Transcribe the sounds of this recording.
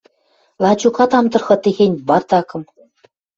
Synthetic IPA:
lˠɑt͡ɕukɑt̪ɑmd̪ɤ̆rxɤ̆t̪eɣʲenʲbɑrt̪ɑkɤ̆m

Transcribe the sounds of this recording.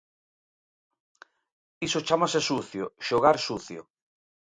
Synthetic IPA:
isot͡ʃamasesuθjoʃoɣaɾsuθjo̰

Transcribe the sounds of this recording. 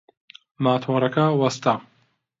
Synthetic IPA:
maːt̪ʰoːɾɐkɐwɐst̪a

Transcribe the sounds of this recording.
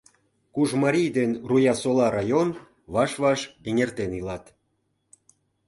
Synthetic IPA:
kuʒmɑɾʲijd̪enrujɑsolɑɾɑjon | βɑʃβɑʃeŋert̪enilɑt̪

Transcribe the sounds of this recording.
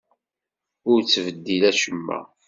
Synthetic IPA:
ʊɾt͡sːvəd̪ːilæʃəmːæ̰

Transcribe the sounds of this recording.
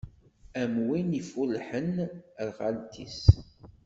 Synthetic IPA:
æmwinifulħənɾʁalt̪ʰḭs

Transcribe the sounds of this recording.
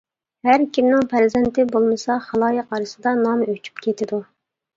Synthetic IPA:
hæɾkʲʰimnɪŋpʰæɾzɛnt̪ʰɪbolˠmɨsɑχɑlˠɑːjəqɑɾɨsɨd̪ɑnɑmøt͡ʃʰy̥pkʲʰet̪ʰɪd̪u

